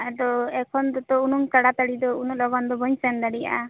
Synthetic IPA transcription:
ɛɖɔɛkʰɔnd̪ɔt̪ɔunuŋkaɽat̪aɽid̪ɔunulɔbɔnd̪ɔbɔɲsɛnd̪aɽija̰ʔa

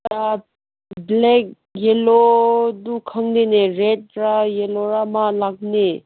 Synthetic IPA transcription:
a | blɛk̚ | jelod̪ukʰaŋneneɹɛt̚ɹajeloɾamalak̚ne

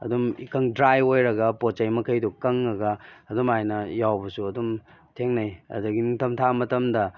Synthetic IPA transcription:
ɐ̰dumikɐŋdɾajojɾɐɡɐpot͡ʃɐjmɐkʰɐjdukɐŋːɐɡɐːdumajnɐjawbɐsuɐdum | tʰeŋnɐjɐ̰dɐɡiniŋtʰɐmtʰamɐtɐmdɐ

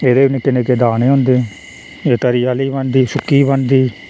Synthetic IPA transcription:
eːd̪eːnekɪneːkeːd̪aːneːɦʊ̃nd̪eː | eːt̪əɾijaːliːbənd̪iːsʊkːiːbənd̪iː

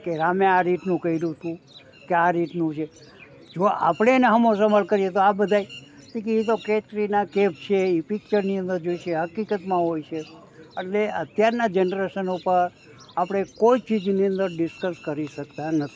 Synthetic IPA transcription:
keɾameaɾiʈnũkəɦiɾũt̪ũ | keaɾiʈnũt͡ʃʰe | d͡ʒoa̰pɽ̃eneɦəmos̬əməɭkəɾiet̪oabəd̪ʱajt̪ikeit̪̬oket̪ɾinakep̚t͡ʃʰeipik̚t͡ʃəɾniə̃nd̪əɾd͡ʒoiʃeɦəkikət̪mãɦojt͡ʃʰe | əʈleət̪jaɾnad͡ʒenɾeʃənupəɾ | apɽ̃ekoit͡ʃid͡ʒniə̃nd̪əɾɖɪskəskəɾiʃəkt̪anət̪ʰi̥

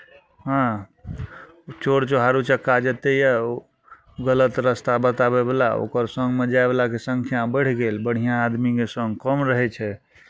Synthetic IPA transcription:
ɦã | t͡ʃoɽt͡ʃoɦaɾut͡ʃəkːad͡ʒət̪ejɛ | ɡələt̪ɾəst̪abət̪abebelao̰kəɾsəŋɡmed͡ʒaebelakesəŋkʰjabəɽ̤ʰɡelbəɽ̤ijãːd̪mikesəŋɡkɔmɾəɦɛt͡ʃʰɛ

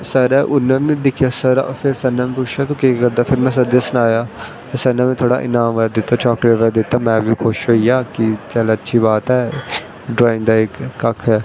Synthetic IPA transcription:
səɾɛːʔʊnːɛ̃ːʋĩːd̪ɪkʰjaːsəɾpʰɪɾsənːãːmẽpʊt͡ʃʰaːt̪õːkikəɾd̪aːpʰɪɾmɛ̃ːs̬əd̪jaːsʊnaːjaː | t̪esənːãːmẽːt̪ʰoːɽa̰ːʔɪ̰naːmʋaːd̪ɪt̪ːaːt͡ʃɔːkleʈʋɛːd̪ɪt̪ːaːmɛ̃ːʋiːkʰoːʃɦoːijaːkɪt͡ʃɛːlətːʃʰiːbaːt̪ɦɛː | ɖɾaːɪ̃nd̪aːɪkːəkʰɛː

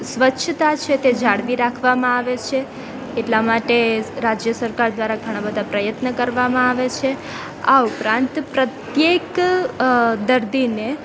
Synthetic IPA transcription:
sʋətːʃʰət̪at͡ʃʰet̪ed͡ʒaɽʋiɾakʰʋamãaʋet͡ʃʰeː | ʈlamaʈeɾad͡ʒjəsəɾkaɾd̪ʋaɾaɡʱəɽ̃abəd̪ʱapɾəjət̪nəkəɾʋamãaʋet͡ʃʰe | a̰upɾãnt̪pɾət̪jek | d̪əɾd̪ine

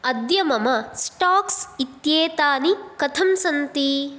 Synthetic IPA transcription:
ɐd̪jɐmɐmɐsʈaːksit̪jeːt̪aːnikɐt̪ʰɐmsɐnt̪i

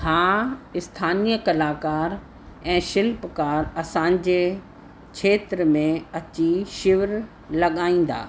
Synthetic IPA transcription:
hãːɪst̪ʰaːnijəkɐlaːkaːɾ | ɛ̃ːʃɪlpkaːɾɐsãɲ̆d͡ʑe | kʰeːt̪ɾmẽɐt͡ɕiʃɪʋɾ | lɐɠaːĩːn̆d̪a̰ː

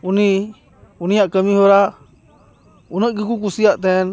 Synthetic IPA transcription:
unĩ | unĩɲãkəmĩhoɾa | unə̃kɨk̬uk̬usiat̪en

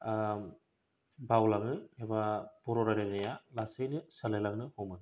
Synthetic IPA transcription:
bawlaŋɯebapuɾɔɾaɾeŋnɯjalasɯjnɯsɐlelaŋnɯhɔmɯn

